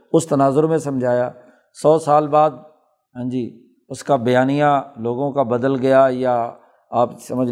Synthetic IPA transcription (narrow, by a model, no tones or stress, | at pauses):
ʊst̪ɐnaːzʊɾmẽsɐmd͡ʒʱaːjaː | sɔːsaːlbaːd̪̚ | ɦãːd͡ʒiː | ʊskabɐjaːnijãloːɡõkabɐd̪əlɡɐjaːja | aːpsɐməd͡ʒ